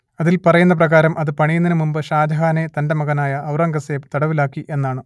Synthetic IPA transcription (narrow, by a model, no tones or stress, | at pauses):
ɐðilpɐrɐjunːɐprɐɣaːɾɐmʔɐðɨpɐɳijunːinɨmumbɨɕaːd̪ʱɐɦaːnet̪ɐndɐmɐɣɐnaːjɐʔɐwrɐŋɡɐseːbt̪ɐɽɐʋilaːkːiʔe̞nːaːɳɨ